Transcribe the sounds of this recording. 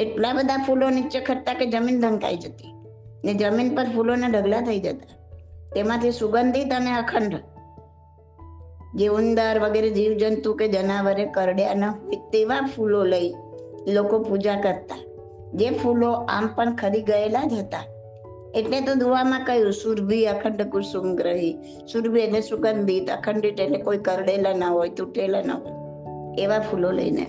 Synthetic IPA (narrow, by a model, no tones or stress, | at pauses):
eʈlabəd̪ʱapulonit͡ʃekʰəɾt̪aked͡ʒəmind̪ʱə̃ŋka̰id͡ʒət̪i̥ | ned͡ʒəminpəɾpʰuloneɖʱəɡlat̪ʰəid͡ʒət̪ḁ | t̪emãt̪ʰisuɡənd̪ʱit̪əneəkʰəɳɖʱ | d͡ʒeʊnd̪əɾʋəɡeɾed͡ʒiʋd͡ʒənt̪ũked͡ʒənaʋəɾekəɾɽjanəɦojt̪eʋãpʰuloləi | lokopud͡ʒakəɾt̪a | d͡ʒepʰuloʔa̰mpəɳkʰəɾiɡəelad͡ʒɦət̪a | eʈlet̪od̪uʋamãkəjũsuɾbʱiəkʰəɳɖəkuɾsʊmɡɾəɦi | suɾbʱienesʊɡənb̪ʱit̪ə̰kʰəɳɖiʈeʈlekoikəɾɽelanəɦojt̪uʈelanə̰ɦoj | eʋapʰulolə̰inḛ